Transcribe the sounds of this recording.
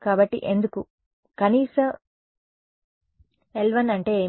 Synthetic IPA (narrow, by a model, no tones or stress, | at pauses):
kaːbɐʈːḭʔe̞nd̪uku | kɐniːsɐm | elʋɐnɐɳʈe̞ːeː